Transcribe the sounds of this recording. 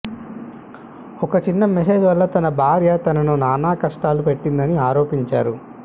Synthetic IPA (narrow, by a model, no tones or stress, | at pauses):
ɔkɐt͡ʃinːɐmes̬e̞ːd͡ʒʋɐlːɐt̪ɐnɐbʱaːɾjɐt̪ɐnɐnunaːnaːkɐʂʈaːlupe̞ʈːind̪ɐniaːɾo̞ːpiɲt͡ʃaːɾu